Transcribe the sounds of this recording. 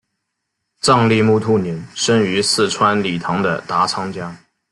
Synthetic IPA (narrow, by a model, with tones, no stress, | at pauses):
ʈ͡ʂɑ˥˧ŋli˥˧mu˥˧t̪ʰu˥ni˧˥˦ŋʂə˥ŋy˧˥sɹ̩˥˩ʈ͡ʂʰwa˥nli˨˩t̪ʰɑ˧˥ŋd̪ə̰˨t̪a˧˥t͡sʰɑ˥ŋt͡ɕja˥